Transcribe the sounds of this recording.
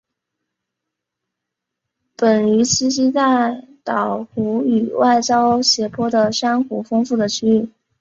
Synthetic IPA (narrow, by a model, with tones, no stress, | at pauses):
pə˨˩ny˧˥t͡ɕʰi˥ɕi˥t͡s̪a˥˩ɪt̪ɑ˨˩ʊxu˧˥y˨˩wa˥˩ɪt͡ɕjɑ˥ʊɕjɛ˧˥pʰwɔ˥˩d̪ə˨ʂa˥nxu˧˥fɤ˥ŋfu˥˩d̪ə˩t͡ɕʰy˥y˥˩